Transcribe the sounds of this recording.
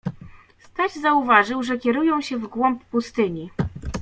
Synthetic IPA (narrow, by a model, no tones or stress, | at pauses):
st̪ad͡ʑzauvaʐɘwʐɛkʲɛɾujɔ̃w̃ɕɛvɡwɔmpːust̪ɘɲi